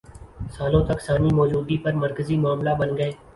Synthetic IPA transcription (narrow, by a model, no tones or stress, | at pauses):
saːlõːt̪ɐksaːniːmɔːd͡ʒuːd̪iːpɐɾməɾkəziːmʊaːmlaːbənɡəeː